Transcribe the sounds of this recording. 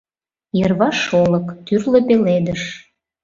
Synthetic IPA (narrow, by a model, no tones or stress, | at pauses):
jərβɑʃoləkt̪yrlə̆peled̪əʃ